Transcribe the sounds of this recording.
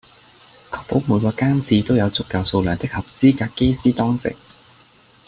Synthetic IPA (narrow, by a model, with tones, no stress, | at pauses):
kʰɔː˧˥k̚po˨˥wmuː˨˧jkɔː˧kaː˥nt͡siː˧t̪o˥wjɐ˨˧wt͡sʊ˥k̚ːɐ˨˧wso˧wlœː˨˩ŋt̪ɪ˥k̚hɐ˨p̚t͡siː˥kaː˧kkːe˥jsiː˥t̪ɔː˥ŋt͡sɪ̰˨k̚